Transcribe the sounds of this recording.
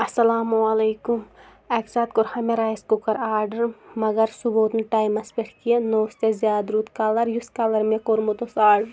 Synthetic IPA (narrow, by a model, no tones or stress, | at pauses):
ɐsɐlaːmuɐleːkum | ɛːksaːt̪̚koɾhɐmeɾaːjiskukɐɾaːɾɖɐɾmɐɡɐɾsuboːt̪nʈaːjmɐspeʈʰkienoːst̪ezjaːd̪ɾut̪kɐlɐɾjuskɐlɐɾmẽkoɾmut̪osaːɖɾ